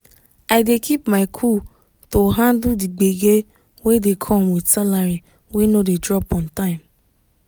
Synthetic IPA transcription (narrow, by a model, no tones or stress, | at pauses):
aɪdekʰipmaɪkʰu | toɦãndʊdiɡ͡beɡe | wedekʰɔmwidsalaɾi | wenodedɾɔpɔ̃ntãɪ̃m